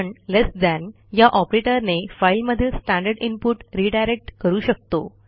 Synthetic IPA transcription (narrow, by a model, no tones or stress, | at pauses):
ɳlesd̪æ̃n | jaʔɔpɾeʈəɾnefailməd̪ʱiːlsʈæ̃ɳɖəɾɖinpuʈɾiɖajɾek̚ʈkəɾuːɕək̚t̪o